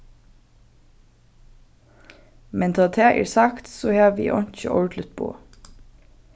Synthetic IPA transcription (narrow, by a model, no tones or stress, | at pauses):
mɛnt̪ʰɑːt̪ʰæːʔḭːsɑkt̪soːhæːʋḭːʔɔnc͡çə̰ʔɔ̰ːʈʰlət̪̚bo̰ː